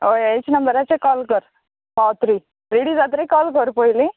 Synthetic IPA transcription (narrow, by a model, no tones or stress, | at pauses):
ojet͡ʃnɐmbəɾat͡sekɔːlkəɾ | pat̪ɾi | ɾiɽid͡zat̪ɾikɔlkəɾpojlĩ